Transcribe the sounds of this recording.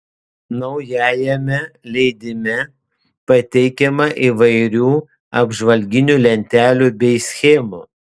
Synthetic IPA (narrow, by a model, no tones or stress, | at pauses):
nɔʊjæːjɛmʲɛlʲɛɪd̪ʲɪmʲɛ | pɐt̪ʲɛɪkʲɛmɐʔiːʋɐɪɾʲuː | ɐbʒʋɐlʲɡʲɪnʲulʲɛnʲt̪ʲæːlʲuːbʲɛɪsʲxʲɛːmṵː